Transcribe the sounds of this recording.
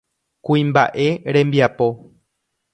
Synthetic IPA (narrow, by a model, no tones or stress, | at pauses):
kuĩmba̰ʔe̞ɾẽ̞mbiapo̞